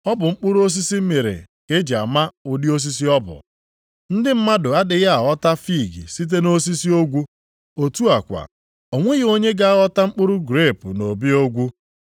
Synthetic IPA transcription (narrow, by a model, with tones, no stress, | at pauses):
ɔ˦bʊ˨ŋ͡m̩˦k͡pʊ˦ɾʊ˦o˦s̬i˦si˦m̩˦me˨ɾḛ˨ | ke˦d͡ʒa̰˨ma˦ʊ˨dɪ˦o˦s̬i˦s̬i˦ɔ˦bʊ̰˨ | n̩˦dɪ˦m̩˦ma˦dʊ˨a˦dɪ˨ja˦a˨ɣɔ˦ta˦fi˦˨ɡḭ˨si˦t̬e˦no˦s̬i˦si˦o˦ɡʷu˦ | o˨tu˦a˨kʷa̰˨ | o˨ŋʷe˦ɣɪ˨o˦ɲe˦ɡa˦ɣɔ˦ta˦ŋ͡m̩˦k͡pʊ˦ɾʊ˦ɡɾe˦˨pʊ˨no˨bi˦o˦ɡʷu˦